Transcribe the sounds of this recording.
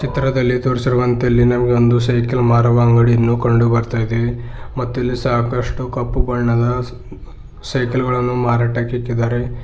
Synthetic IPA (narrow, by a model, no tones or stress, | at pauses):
t͡ʃit̪ɾɐd̪ɐlːit̪oːɾisiɾuʋɐnt̪ɐɐlːinɐmɐɡeond̪usɐjkelmaːɾɐʋaːŋɡɐɽiɐnːukɐɳɖubɐɾt̪aːjid̪e | mɐt̪ːɐlːisaːkɐʂʈukɐpːubɐɭɳɐd̪ɐ | sɐjkelɡɐɭɐnːumaːɾaːʈakikːid̪aːɾe̞